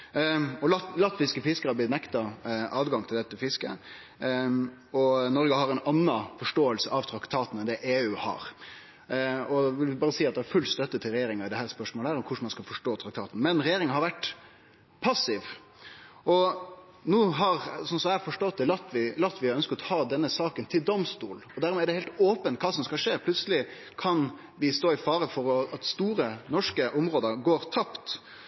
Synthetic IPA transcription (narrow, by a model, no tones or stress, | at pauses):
ɔlɑlɑt̪ːʋɪskəfɪskəɾɑb̪ɪt̪nɛkt̪ɑʔɑːd̪ɡɑŋt̪ʰɪld̪ɛt̪ːəfɪskə̰ | ɔnɔɾɡəhɑɾɛɪnɑnːɑfɔʂʈoːəlsəʔɑʋt̪ʰɾɑkt̪ʰɑːt̪n̩ɛnd̪ɛʔeːʉːhɑ̰ɾ | ɔʋɪlɪbɑːɾəsiːɑt̪̚d̪ɛæɾfʉlːst̪œt̪ːət̪ʰɪlɾɛjeːɾɪŋɑɪd̪ɛhæːɾspœʂmoːləhæːɾɔmkʰʊʂmɑnskɑlfɔʂʈoːt̪ʰɾɑkt̪ʰɑːt̪n̩mɛnɾɛjeːɾɪŋəhɑɾʋæʈː | pʰɑsɪʋ | ɔ | nuːɦɑɾsɔnsɔmæfɔʂʈɔt̪̚d̪ɛlɑt̪ːʋɪlɑt̪ːʋɪœnskət̪ɔhɑːd̪ɛnːəsɑːkənt̪ʰɪld̪ɔmst̪ṵːlɔd̪æɾmɛæɾɖɛheɪlt̪oːpənt̪kʰɑːsɔmskɑʂeːpʰlʉt̪səlɪ | kʰɑn | ʋɪst̪oːɪfɑːɾəfɔɾɔɑt̪st̪uːɾənɔʂkəʔɔmɾoːd̪əɾɡoːɾt̪ʰɑpt̪